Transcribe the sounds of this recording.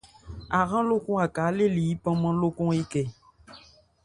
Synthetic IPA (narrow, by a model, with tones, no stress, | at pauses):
a˨ɣã˦lo˦kũ˦a˨kaː˨˦le˦li˨i˦pã˦mã˦lo˦kɔ̃˦ŋi˦kɛ˨